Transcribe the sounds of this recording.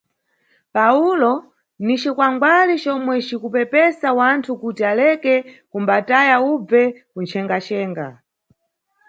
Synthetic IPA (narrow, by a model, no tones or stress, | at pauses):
paulɔ | nit͡ʃikwaŋɡwalit͡ʃɔmwɛt͡ʃikupɛpɛsawantʰukutialɛkɛkumbatajaub͡vɛkunt͡ʃʰɛŋɡat͡ʃɛːŋɡa̰